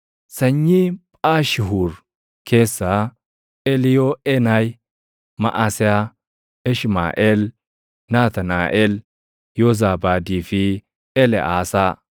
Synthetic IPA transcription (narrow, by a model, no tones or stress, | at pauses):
sɐɲːipʼaːʃɪɦuɾ | kʰeːsːa | ɛlɪjoɛnaj | mɐ̰ʔasɛa | ɛʃma̰ːʔɛl | naːt̪ɐnaːʔɛl | jɔzaːbaːdiːfi | ɛlɛ̰ʔa̰ːsa